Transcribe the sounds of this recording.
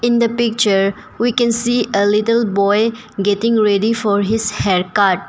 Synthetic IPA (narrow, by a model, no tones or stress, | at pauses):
ɪ̃nd̪əpɪk̚t͡ʃəɾ | wikɛ̃nsiːəlɪʈəlbɔɪ | ɡɛʈɪ̃ŋɾeɖifɔɾɦɪzhɛɾkaɾʈ̚